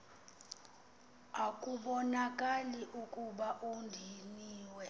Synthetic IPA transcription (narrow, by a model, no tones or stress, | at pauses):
akʼuɓɔnakʼaliʔukʼuɓaʔundʱiniːwɛ